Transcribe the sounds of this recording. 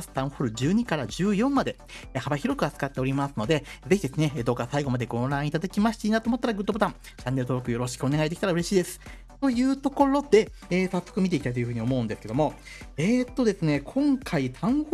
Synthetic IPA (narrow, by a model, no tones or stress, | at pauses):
sɨ̥t̪ãɰ̃ɸoɾɯ̟d͡ʑɨːɲ̟ikaɾaʑɨːjõ̞mːad̪e̞ | habaçiɾo̞kɯ̟at͡sɨ̥kat̪ːe̞o̞ɾʲimasɨno̞d̪e̞ze̞çʲid̪e̞sɨne̞d̪oːkasaiɡo̞mad̪e̞ɡõ̞ɾãɰ̃it̪ad̪akʲimaɕi̥t̪eiːnat̪oːmo̞t̪ːaɾaɡɯ̟t̪ːobot̪ãɴ | ɕt͡ɕãnːeɾ̟t̪oɾokɯ̟jo̞ɾo̞ɕi̥kɯo̞ne̞ɡaid̪e̞kʲi̥t̪aɾaɯ̟ɾe̞ɕiːd̪e̞sɨ̥ | t̪o̞jɯ̟ːt̪o̞ko̞ɾo̞d̪e̞ | esasːokɯ̟mʲit̪e̞ikʲit̪ait̪ojɯ̟ɸɯ̟ɲ̟io̞mo̞ɯ̟nd̪esɨ̥ke̞d̪o̞mo̞ | et̪ːo̞d̪e̞sɨne̞kʰõ̞ŋkʰait̪ʰãɰ̃h